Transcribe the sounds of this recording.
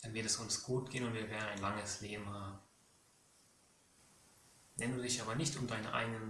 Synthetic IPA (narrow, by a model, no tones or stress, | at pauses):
d̥anvɪɐtɛsʊnsɡ̥uːt̚ɡ̥eːənʊntv̥iːɐvɛːɐdn̩aɪnlaŋəsleːbm̩haːbm̩ | vɛnduːzɪçʔaːbɐnɪçtʊmdaɪnə̰ʔa̰ɪɡənən